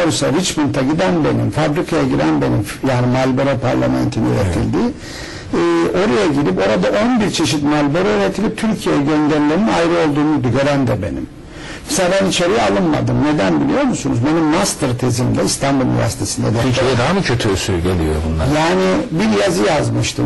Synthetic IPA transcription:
oɾusaɾit͡ʃmunt̪ʰaɟid̪ænbe̞̰nḭmfabɾikʰajaɟiɾænbe̞nim | jaːnimalʲboɾopʰaɾlʲˠa̰mæ̰nt̪ʰinḭø̰ɾḛt̪ʰilʲd̪iː | o̞ɾajaɟiɾipo̞ɾad̪aʔo̞nbiɾt͡ʃʰe̞ʃit̪malʲboɾoyɾet̪ʰilʲip̚t̪ʰyɾcʰijejɛɟønlʲeɾlʲeninajɾɯo̞lˠd̪uːnud̪uɟø̞ɾænd̪ɛbe̞̰nḭm | sabænit͡ʃʰeɾijalˠɯnma̰d̪ɯmne̞d̪ænbilʲijo̞ɾmusunuzbe̞nimːast̪ɯɾt̪ʰe̞zimd̪ɛist̪ʰanbulˠin̰vʲæ̰ɾsi̥t̪ʰesɯnd̪a̰d̪ɛed̪amcʰøt̪ʰysyɟelʲḭjo̰bunlˠajaːnibiɾjazɯjazmɯʃt̪ʰɯ

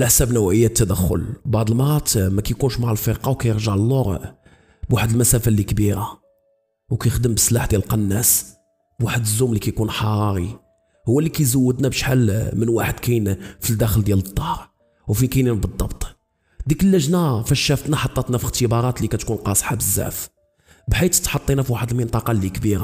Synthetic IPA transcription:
əlʔəħsæbnæwʔəjːæt̪ːæd̪æxːʊ̰lbɑʕd̪ˤəlmɑɾˤɑt̪mækæjkunʃmaʕəlfəɾqɑwkæjəɾʒəʕlːoɾ | bwaħəd̪əlmæsæfælikbiɾa | wkæjxd̪əmbəsːlaħd̪jælqɑnːæs | bwaħəd̪əzːumlikæjkunħɑɾˤɑɾi | hʊwːælːikæjzæwːəd̪næbəʃħalmənwaħəd̪kæjnfild̪æxəld̪jælət̪ˤːɑhɾ | wfikæjninbəd̪ˤːɑbt̪ˤ | d̪ikəlːəʒnafæʃːæft̪næħɑt̪ˤːɑt̪næfəqt̪əbɑɾˤɑt̪likæt̪kunqɑsˤħɑbəzːæ̰ʔf | bħit̪t̪ħɑt̪ˤːinæfiwaħəd̪əlmənt̪ˤɑqɑlːikbiɾa̰

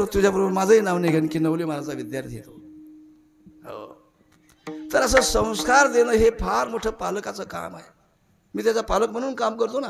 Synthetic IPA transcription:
ət̪ud͡ʑʱjapəɾbəmad͡zʱəinaʋneɡʱenkiːnəʋlimalat͡saʋid̪jaɾt̪ʰijet̪o | ɦə̰ | t̪əɾəs̬əːsə̃w̃skaɾd̪enəɦepʰaɾmoʈʰəːpalkat͡səːka̰ma̰ɦe | miːt̪jat͡sapaləkm̤ə̃uːnkamkəɾt̪ona

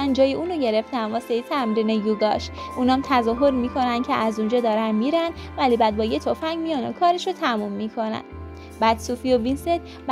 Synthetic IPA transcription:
ænd͡ʒɒːjeuːnoɟe̞ɾe̞ft̪ænvɒːsejit̪ʰæmɾiːnejuɡɒʃʔuːnɒmt̪ʰæzɒːɦoɾmikʰo̞nænd̪̥̚cʰeʔæzund͡ʒɒːd̪ɒːɾænmiːɾænd̪væliːbæd̪̚bɒːjet̪ʰofæŋmijɒno̰kʰɒːɾeʃot̪ʰæmumːikʰo̞næ̰nd̪ | bæd̪suːfiovinset̪ | b

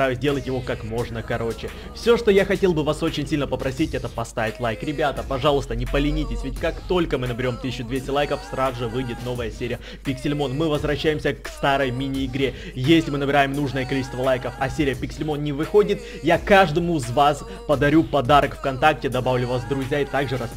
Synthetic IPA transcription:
ajʊzʲdʲe̞lˠətʲjɪvo̞kakmo̞ʐnəkɐɾo̞t͡ɕɪ | fsʲo̞ʂt̪ojaxɐtʲe̞lˠbɨvaso̞t͡ɕɪnʲsʲilʲnəpəpɾɐsʲitʲɛt̪əpɐst̪avʲɪt̪ʲlˠajkɾʲɪbʲat̪əpɐʐɑlˠəst̪ənʲɪpəlʲɪnʲitʲɪsʲvʲɪtʲkakt̪o̞lʲkəmɨnəbʲɪɾʲo̞mt̪ɨsʲɪɕːʊd̪vʲesʲtʲɪlˠajkəfsɾazʊʐɨvɨjdʲɪt̪no̞vəjəsʲeɾʲɪjə | pʲɪksʲɪlʲmo̞nmɨvəzvɾɐɕːæjɪmsʲəkst̪aɾəjmʲinʲɪɪɡɾʲe | jesʲlʲɪmɨnəbʲɪɾajɪmnuʐnəjəkɐlʲit͡ɕɪst̪vəlˠajkəfɐsʲeɾʲɪjəpʲɪksʲɪlʲmo̞nnʲɪvɨxo̞dʲɪt̪ | jakaʐd̪əmʊzvas | pəd̪ɐɾʲupɐd̪aɾəkfkɐnt̪ak̚tʲɪd̪ɐbavlʲʊvasd̪ɾʊzʲjaɪt̪aɡʐɨɾɐs

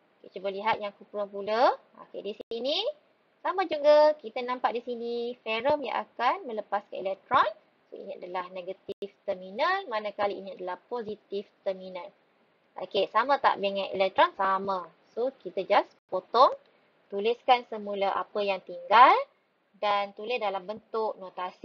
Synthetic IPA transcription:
ket͡ʃubəliɦat̪̚jaŋkupɾɔŋpulə | a̰kḛdisiini | samãd͡ʒuɡəkit̪ənãmpaʔdisinifɛɾəmja̰ʔa̰kanmə̃ləpaska̰nelɛk̚t̪ɾɔn | so̰ḭnia̰dəlahnẽɡat̪ift̪ərminənmanãkaliinĩadəlahpozit̪ift̪əminãn | a̰kesamãt̪a̰ʔbeŋãnḛlɛk̚t̪ɾɔnsamã | sokit̪əd͡ʒaspot̪ɔŋ | t̪ulɪskansəmũlaʔa̰pəjaŋt̪iŋɡal | dant̪ulɪsdalambənt̪ʊk̚not̪as

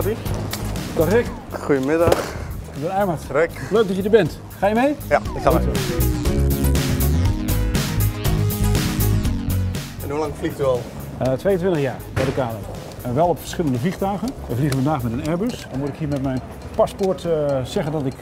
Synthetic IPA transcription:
bi | d̥ɔχɪk | xujəmɪdɑxdənɛjmatrɛkløɥɡ̚dɔtjədəɹbɛnt | χaːjəmejjaɪko | ɛnhulaŋfliχdyɔlˠ | tʋejəntʋɪntəχjaːɹbɛjdəkaːdə̰ | ɛʋɛlˠɔpfə̥ɹ̥sχɪlˠəndəvliχtœɣənʋəvliχənfəndaːχmɛtənɛɹbysnmutɪkɦiːəɹmɛtmɛjn | paspoɹtsɛɣəndɔtɪk

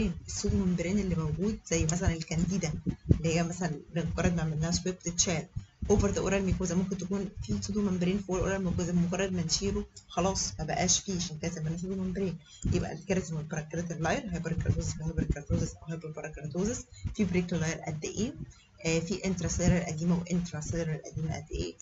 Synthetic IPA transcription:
eːnʔesˤːod̪umæmbeɾeːnelːimæwɡuːd̪̚z̥æjːmæs̬ælænelkænd̪iːd̪æʔelːihejːæmæsælænbenmoɡɑɾˤːɑd̪maʕmelːæhæswep̚t̪et̪ʃæːɾʔoːveɾd̪æʔoɾˤælmikoːzæmomkent̪ækuːnfisˤod̪umæmbeɾeːnfiʔoɾʔo̰ɾˤælmikozæmoɡɑrˤːɑd̪mænʃiːɾoxɑlɑːsˤmæbæʔæːʃfiːʃækæːt̪emænːæs̬ˤed̪umæmbeɾeːn | jebʔæ̰lkeɾæt̪emolbɑɾˤɑkeɾæt̪elːɑjeɾɦæjbɑɾˤkɾɑt̪oːzesfihɑjbɑɾkɾˤɑt̪oːzesʔæwɦæjebɑɾbɑɾˤɑkɾˤɑt̪oːzesfibɾek̪lːɑjeɾʔæ̰d̪ːeʔeː | fiʔent̪ɾˤɑsɑjɾeɾlʔæd̪iːmæwʔent̪ɾɑsɑjɾelʔæ̰d̪iːmæʔæ̰d̪ːeʔḛː

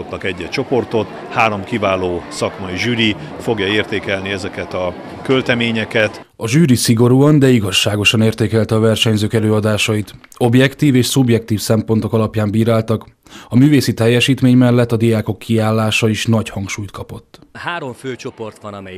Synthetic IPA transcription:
ot̪nɒkɛɟːɛt͡ʃo̞po̞rt̪o̞t̪ | haːɾo̞mkivaːloːsɒkmɒiʒyːɾi | fo̞ɡjɒeːrt̪eːkɛlniɛzɛkɛt̪ɒ | kølt̪ɛmeːɲɛkɛt̪ | ɒʒyːɾisiɡo̞ɾuɒnd̪ɛiɡɒʃːaːɡo̞ʃɒneːrt̪eːkɛlt̪ɛɒvɛrʃɛɲzøːkɛløːɒd̪aːʃɒit̪o̞bjɛkt̪iːveːʃsubjɛk̚t̪iːfsɛmpo̞nt̪o̞kɒlɒpjaːmbiːɾaːlt̪ɒk | ɒmyːveːsit̪ɛjːɛʃiːt̪meːɲmɛlːɛt̪ːɒd̪ijaːko̞kːiaːlːaːʃɒiʃnɒchɒŋkʃuːjt̪kɒpo̞t̪ːhaːɾo̞ɱføːt͡ʃo̞po̞rt̪ʋɒnɒmɛj

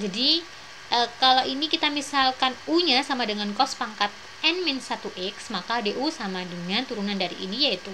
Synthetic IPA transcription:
d͡ʒadi | ʔəkalawinikit̪amisalkanuɲasamadəŋankɔspaŋkat̪̚ | ɛnmɪnsat̪uʔɛksmakadeʔusamadəŋant̪uɾunandaɾḭʔḭnijait̪u

